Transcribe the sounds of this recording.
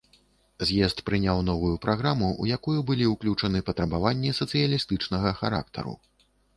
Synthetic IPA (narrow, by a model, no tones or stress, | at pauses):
zʲjɛst̪pɾɨnʲawnɔvujupɾaɣɾamuṵjakujubɨlʲiuwklʲut͡ʂɐnɨpɐt̪ɾɐbavanʲːisɐt̪sɨjɐlʲist̪ɨt͡ʂnɐɣɐxaɾa̰k̚t̪ʰɐ̰ɾṵ